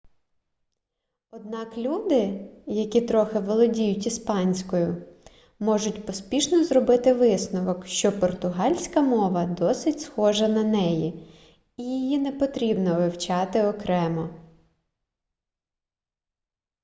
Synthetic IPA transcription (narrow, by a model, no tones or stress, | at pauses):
ɔd̪̚nɑklʲud̪ɪjɐkʲit̪ɾɔxɪʋɔlˠɔdʲijʊtʲispɑnʲsʲkɔjʊ | mɔʒʊtʲpɔspʲiʃnɔzrɔbɪt̪ɪʋɪsnɔʋɔkʃt͡ʃɔpɔrt̪ʊɦɑlʲsʲkɐmɔʋɐd̪ɔsɪtʲsxɔʒɐnɐnɛji | ijijinɛpɔt̪ɾʲibnɔʋɪwt͡ʃɑt̪ɪɔkɾɛmɔ